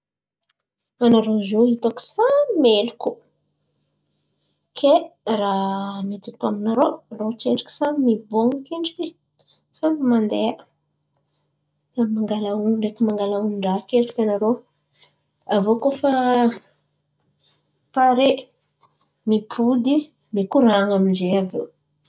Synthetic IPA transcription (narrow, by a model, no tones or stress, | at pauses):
anaɾozoit̪oku̥saimeluku | kʰeramit̪ut̪aminaɾorot͡seɳɖ͡ʐḁki̥samimiboŋukiɳɖ͡ʐikʲe | samimand̪ea | kamaŋɡalauɳɖ͡ʐekimaŋɡalauɳɖ͡ʐakelikanaɾo | avokofa | paɾe | mipʰud̪i | mikuɾaŋamind͡ʒeavḛ